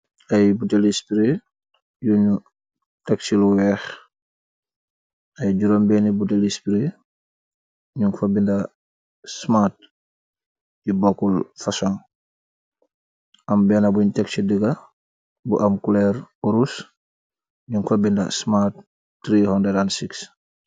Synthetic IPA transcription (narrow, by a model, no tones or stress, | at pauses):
ajbutelispɾi | juɲu | tɛksiluwɛx | ɐjɟuɾombɛnibutelispiɾi | ɲuŋfabinda | smat̚ | jibɔkːulfasɔŋ | ʔɐmbɛnabuɲtɛksidəɡa | bṵʔamkulɛɾuɾus | ɲuŋfabinda̰smat̚ː | ɾihɔndedansiks